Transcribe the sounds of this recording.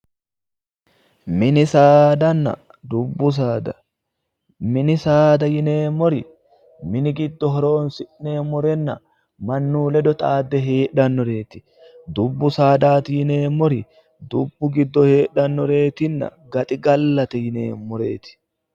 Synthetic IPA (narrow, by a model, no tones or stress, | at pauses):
mɪnɪsaːd̪ɐnːɐ̰ | d̪ʊbːʊs̬aːd̪ɐ | mɪnɪsaːd̪ɐjɪne̞ːmːɔɾɪ | mɪnɪɡɪd̪ːɔɦɔɾo̞ːnsɪʔne̞ːmːɔɾɛnːɐ | mɐnːuːlɛd̪ɔt̪ʼaːd̪ːɛɦeːʔɐnːɔɾe̞ːt̪ɪ̥ | d̪ʊbːʊsaːd̪aːt̪ɪjɪne̞ːmːɔɾɪ | d̪ʊbːʊɡɪd̪ːɔhe̞ːᶑɐnːɔɾe̞ːt̪ɪnːɐ̰ɡɐt̪ʼɪɡɐlːɐt̪ɛjɪneːnmɔɾeːt̪ɪ̥